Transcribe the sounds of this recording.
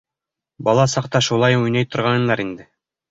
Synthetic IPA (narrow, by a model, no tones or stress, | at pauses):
bɑlˠɑsɑqt̪ɑʃulˠɑjujnɑjt̪ŏɾʁɑnɤ̆nɑɾind̪ɘ